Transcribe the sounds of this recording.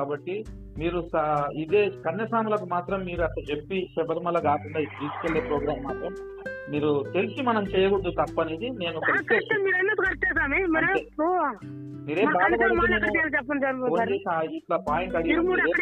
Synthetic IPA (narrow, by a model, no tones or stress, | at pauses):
kaːbɐʈːi | miːɾusɐid̪e̞ːkɐnjɐsaːmulɐkumaːt̪ɾɐmːiːɾuɐt̪ɐt͡ʃe̞pːiʃɛbɐɾmɐlːɐɡaːkuɳɖaːid̪iːskelːeːpɾoːɡɾaːmːaːt̪ɾɐmː | iːɾut̪e̞lisimɐnɐmt͡ʃɛːjɐɡuɽd̪ut̪ɐpːɐniːd̪ine̞ːnuɔkɐlieɾemiːɾɐnːɐt̪ukɐɾt͡ʃːɛːsaːmimɐɾo | miːɾe̞ːbaːɡɐɾiunenuɐʈeːlɐt͡ʃɛpːɐnsɐɾɐoːd͡ʒeːsaiʈlɐpaːjiɳʈɐɽimuːɐɽ